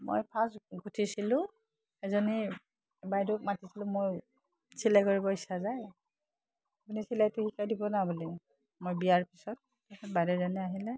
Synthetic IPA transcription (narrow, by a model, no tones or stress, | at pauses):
mo̰jpʰasɡʱutʰisilʊ̃ | ɛzɔni | bajdʊk̚matisilʊ̃moj | silakoɹibɔisazaj | apunisilajtʊhikajdibɔnabɔlɛ | mojbiaɹpisɔt̚ːasʰɔtbajdɔzanɛaɦilɛ